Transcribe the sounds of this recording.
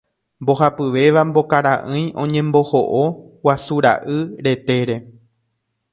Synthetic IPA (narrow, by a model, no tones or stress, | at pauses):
mbo̞ɦapɨʋe̞ʋambo̞kaɾaʔɨ̃j̃õ̞ɲẽ̞mbo̞ho̞ʔo | wasuɾa̰ʔɨɾe̞t̪e̞ɾe̞